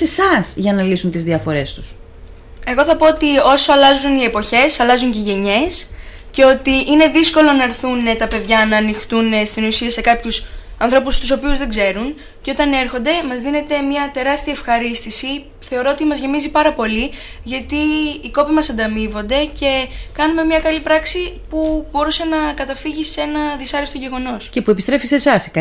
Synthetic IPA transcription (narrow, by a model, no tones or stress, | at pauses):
esɐsʝɐnɐlisunt̪izðiɐfo̞ɾe̞st̪u̥s | e̞ɣo̞θɐpo̞ot̪io̞so̞ɐlɐzunie̞po̞çe̞sɐlɐzuɲceʝe̞ɲe̞s | ce̞o̞t̪iʔine̞ðisko̞lo̞nɐeɾθunet̪ɐpe̞ðʝɐnɐːnixθt̪unest̪inusiɐse̞kɐpçusɐnθɾo̞pust̪uso̞piuzðe̞ɡze̞ɾun | ce̞o̞t̪ɐne̞ɾxo̞nd̪e̞mɐzðine̞t̪e̞mɲɐt̪e̞ɾɐst̪iɐefxɐɾist̪isi | θe̞o̞ɾo̞ot̪imɐzʝe̞mizipɐɾɐpo̞li | ʝɐt̪iːko̞pimɐsɐnd̪ɐmivo̞nd̪e̞ce̞kɐnume̞mɲɐkɐlipɾɐksipubo̞ɾuse̞nɐkɐt̪ɐfiʝise̞nɐðisɐɾist̪o̞ʝe̞ɣo̞no̞scepuepist̪ɾe̞fisesɐskɐ